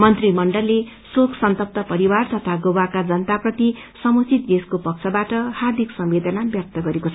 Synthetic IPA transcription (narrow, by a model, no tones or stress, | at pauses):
mʌnt̪rimʌɳɖʌlːe | sokʰsʌnt̪ʌp̚t̪ʌpʌɾiwart̪ʌt̪ʰaɡowakad͡zʌnt̪aprʌt̪i | sʌmut͡sʰit̪̚d̪eskopʌk̚t͡sʰʌbaʈʌhard̪ʱiksʌmbed̪ʱanabjʌk̚t̪ʌɡʌɾekot͡sʰʌ